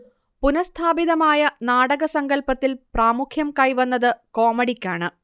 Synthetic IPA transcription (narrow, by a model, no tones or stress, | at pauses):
punɐst̪ʰaːbiðɐmaːjɐnaːɽɐɣɐsɐŋɡɐlpɐt̪ːilpraːmukʰjɐmkɐjʋɐnːɐðɨkoːmɐɽikʲːaːɳɨ